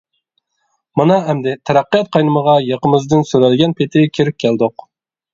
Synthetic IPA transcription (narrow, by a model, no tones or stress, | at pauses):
mɨnɑɛmd̪ɪt̪ʰɛɾæqːijɑt̪̚qʰɑjnɨməʁɑjɑqəmɪzd̪ɪnsyɾælɪɡʲɛnpʰɪt̪ʰɪkʲʰeɾɪp̚ʲkʲʰæld̪ʊq